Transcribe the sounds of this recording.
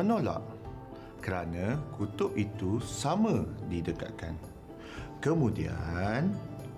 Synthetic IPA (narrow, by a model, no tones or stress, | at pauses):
ənola̰ʔ | kəɾanãkut̪ʊʔit̪usamə̃didəka̰ʔ̚ka̰n | kəmũdia̰n